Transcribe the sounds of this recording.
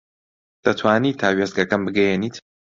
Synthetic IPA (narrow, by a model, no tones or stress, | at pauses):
d̪̥ɐt̪ʰwaːniːt̪ʰaːwezɡɐkanbɨɡɐjɛniːt̪ʰ